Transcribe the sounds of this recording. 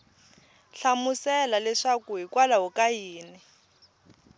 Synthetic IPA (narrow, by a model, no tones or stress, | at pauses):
ɬamusɛlalɛʂakuɦikwalaɦukajiːnɛ